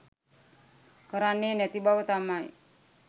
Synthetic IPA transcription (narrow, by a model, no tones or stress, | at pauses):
kaɾanːenet̪ibawət̪amaj̰